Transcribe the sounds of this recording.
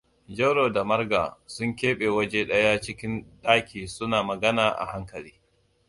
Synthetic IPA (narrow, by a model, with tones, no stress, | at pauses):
d͡ʒɐ˦wɽoː˨da˨mɐ˦rɡa̰ː˨sʊ˦ŋkʲeː˦ɓe˨wɐ˦d͡ʒeː˦ɗɐ˦ja˦t͡ʃɪ˦kʲɪ˦nɗaː˦kʲiː˨sʊ˦naː˨mɐ˨ɡɐ˦naː˨ʔa̰˨ha˦ŋkɐ˨liː˦